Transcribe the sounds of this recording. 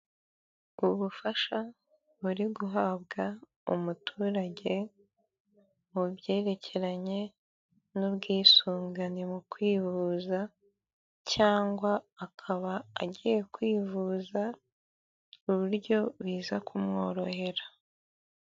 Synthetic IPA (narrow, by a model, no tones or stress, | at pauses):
uβufaʃa | βuɾiɡuɦaβɡa | ṵmutʰuːɾaɟe̞ | mubɟe̞ːɾe̞cʰe̞ɾaɲe̞ | nubɡiːsuːŋɡanemukwiːvuza | caːŋɡwaakʰaβa̰ːɟije̞kwiːvuza | uβuɾɟo̞βiːzakʰumŋo̞ːɾo̞he̞ɾa